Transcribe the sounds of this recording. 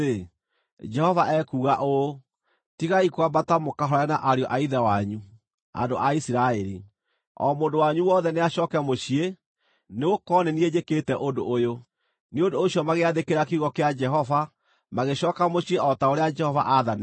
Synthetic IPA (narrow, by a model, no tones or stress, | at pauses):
e | d͡ʒɛhɔvaʔɛkuːɣaʔo | tiɣaikwabatamokaɦɔɾanaʔaɾeɔʔaiðawaɲu | a̰ndoʔaisiɾaɛɾi | ɔ̰moːndowaɲuwɔːðɛneaɕɔːkɛmoɕie | neokɔnenied͡ʒekeːtɛʔondoʔojo | neondoːɕiɔmaɣeaðekeɾakiɣɔkead͡ʒɛɦɔva | maɣeɕɔːkamoɕieʔɔtaoɾead͡ʒɛhɔvaʔaðan